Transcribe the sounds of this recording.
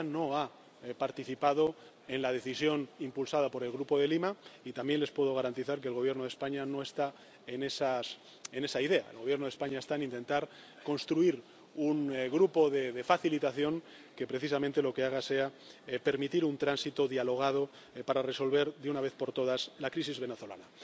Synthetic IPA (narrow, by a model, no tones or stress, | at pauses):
no̞a | paɾt̪iθipað̞o̞ | e̞nlað̞e̞θisjo̞nimpulsað̞apo̞ɾe̞lɣɾupo̞ðelimait̪ambje̞nle̞spwe̞ðo̞ɣ̞aɾant̪iθaɾk̬e̞ːlɣ̞o̞βje̞ɾno̞ð̞e̞spaɲano̞e̞st̪a | ene̞sas | ene̞saiðe̞a̰elɣoβje̞ɾno̞ðe̞spaɲae̞st̪aenĩnt̪e̞nt̪aɾ | ko̞nst̪ɾuiɾ | unɣɾupo̞ðeðe̞faθilit̪aθjo̞ŋ | ke̞pɾe̞θis̬amẽnt̪e̞lo̞ke̞aɣ̞ase̞a | pe̞ɾmit̪iɾunt̪ɾansit̪oðjalo̞ɣ̞að̞o | paɾare̞so̞lβe̞ɾðeunaβe̞θpo̞ɾt̪o̞ð̞aslakɾisizβe̞ne̞θo̞la̰na